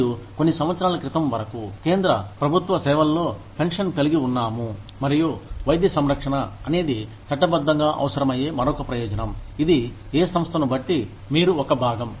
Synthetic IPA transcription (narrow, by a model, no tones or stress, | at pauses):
jukonːisɐmʋɐt̪sɐɾaːlɐkɾit̪ɐmʋɐɾɐkuke̞ːnd̪ɾɐpɾɐbʱut̪ʋɐsɛːʋɐllo̞ːpʰeŋʂɐnkɐliɡiunːaːmu | mɐɾijuʋɐjd̪jɐsɐmɾɐkʂɐɳɐːɐne̞ːd̪i | t͡ʃ̪ɐʈːɐbɐd̪ʱːɐŋɡaːʔɐ̰ʋɐsɐɾɐmɐjeːmɐɾɔːkɐpɾɐjɔːd͡ʒɐnɐmid̪i | eːsɐmst̪ʰɐnubɐʈːi | miːɾuɔkɐbʱaːɡɐm